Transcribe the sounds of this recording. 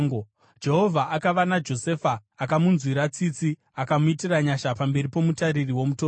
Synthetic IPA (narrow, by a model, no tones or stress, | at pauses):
d͡ʒe̞ɦo̞vʱaʔakaʋanad͡ʒo̞sefaːkamunzwiɾat͡sit͡si | akamuitiraɲaʃapambe̞ɾipo̞mutaɾiriwo̞mutoːr